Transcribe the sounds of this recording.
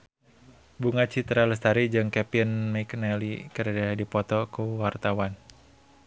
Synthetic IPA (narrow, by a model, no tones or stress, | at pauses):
buŋat͡ʃit̪ɾaləst̪aɾid͡ʒɨŋkɛpinmaknɛlḭkəɾadadipɔt̪ɔkuwart̪awan